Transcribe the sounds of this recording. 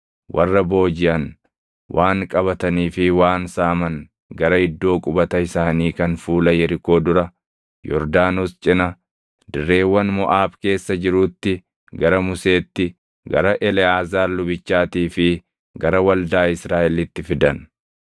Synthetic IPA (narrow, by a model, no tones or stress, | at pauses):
wʔɐ̰rːɐbo̞ːd͡ʒɪʔɐn | wʔaːŋkʼɐβɐt̪ɐniːfɪwaːnsaːmɐŋ | ɡɐɾɐɪd̪ːo̞ːkʼʊbɐt̪ɐɪsaːniːkɐnfuːlɐjɛɾɪko̞ːd̪ʊɾɐ | jɔɾd̪aːnost͡ʃʼɪnɐ | d̪ɪrːe̞ːwːɐnmɔʔaːbke̞ːsːɐd͡ʒɪɾuːt̪ːɪ | ɡɐɾɐmʊse̞ːt̪ːɪ | ɡɐɾɐʔɛlɛaːzaːɾlʊbɪt͡ʃːaːt̪iːfɪ | ɡɐɾɐwɐld̪aːɪsɾaːʔɛlɪt̪ːɪfɪd̪ɐn